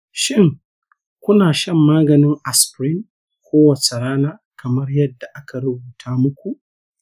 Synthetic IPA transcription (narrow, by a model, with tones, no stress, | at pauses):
ʃɪ˦ŋ | kʷʊ˦naː˨ʃɐ˦mːaː˦ɡɐ˨nɪ˦ŋʔa˨spɾɪ˦ŋ | kʷoː˦wɐ˨t͡ʃe˨ɽaː˦naː˦kʰɐ˨mɐ˦rjɐ˦dːa˨ʔa˦ka˨ɾʊ˦buː˨tʰaː˦mʊ˦kʷu˨ʔ